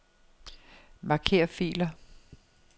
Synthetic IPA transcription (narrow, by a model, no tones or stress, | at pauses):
mɑ̈kʰe̝̰ːɐfḭːlɐ